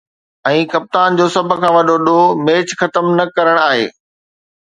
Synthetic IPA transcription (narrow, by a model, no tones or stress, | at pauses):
ɛ̃ːkɐp̚t̪aːnd͡ʑoːsɐbʱʊ̆kʰãːʋɐɗʱoɗomeːt͡ɕxɐt̪əmnɐkɐɾəɽ̃aːɦḛː